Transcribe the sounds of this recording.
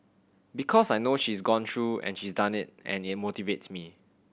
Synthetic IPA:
bikʰɔsajnoʃisɡɔ̃ntʰɹuɛ̰̃nʃisdãnɪt̚ɛ̰̃nɪt̚motivetsmi

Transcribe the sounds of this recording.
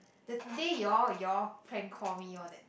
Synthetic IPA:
dədejɔjɔpʰɹɛ̃nkʰɔmiɔdɛt̚

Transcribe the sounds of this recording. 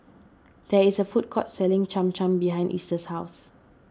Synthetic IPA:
d̥ɛisəfut̚kʰɔ̰t̚sɛlɪ̃ŋt͡ʃãmt͡ʃãmbiɦãj̃ndʔḭstəshaʊθ

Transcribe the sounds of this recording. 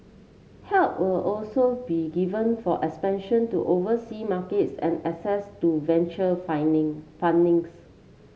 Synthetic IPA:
hɛlp̚wɪlɔlsobiɡivə̃nfɔʔɛkspɛ̃nʃə̃ntuʔovəsimaketsɛ̰̃nɛsɛstuvɛ̃nt͡ʃəfafãndɪ̃ŋs

